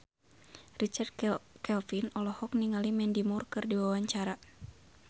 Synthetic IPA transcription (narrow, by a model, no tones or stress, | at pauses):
rit͡ʃard̪kɛlfinɔlɔhɔk̚niŋalimɛndimurkɨrdiwawaɲt͡ʃaɾa